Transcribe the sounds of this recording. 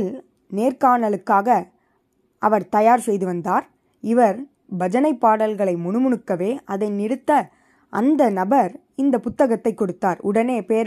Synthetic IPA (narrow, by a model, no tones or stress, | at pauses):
ɪl | neːɾkaːɳɐlɯkːaːɣɐ | ʔɐʋɐɾt̪ɐjaːɾsɛjðɯʋɐnd̪aːɾ | ɪʋɐɾ | bɐd͡ʒɐnɐɪpːaːɽɐlɣɐɭɐɪmʊɳɯmʊɳɯkːɐʋeːʔɐðɐɪnɪɽɯt̪ːɐ | ʔɐnd̪ɐnɐbɐɾ | ɪnd̪ɐpʊt̪ːɐɣɐt̪ːɐɪkːɔɽɯt̪ːaːɾʊɽɐneːpeːɾ